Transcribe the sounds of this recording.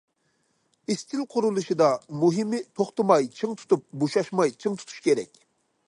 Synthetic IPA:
ist̪ʰɪlˠqʰʊɾulˠuʃɨd̪ɑmuɦɨmɪt̪ʰoχt̪ɨmɑjt͡ʃʰɨŋt̪ʰu̥t̪up̚boʃɑʃmɑjt͡ʃʰɨŋt̪ʰu̥t̪ʰu̥ʃkʲeɾɛ̰kʲ

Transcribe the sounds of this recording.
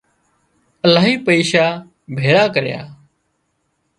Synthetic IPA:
əlaːɦiːpəiːʃaː | bʱeːɽaːkəɾja̰ː

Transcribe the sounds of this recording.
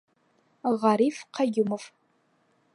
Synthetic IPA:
ʁaɾifqʰaɡʲɪmɨf

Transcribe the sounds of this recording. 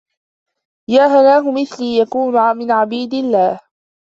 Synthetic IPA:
jaːɦanaːɦʊmɪθliːjakuːnmɪnʕabiːd̪ɪlːaːh

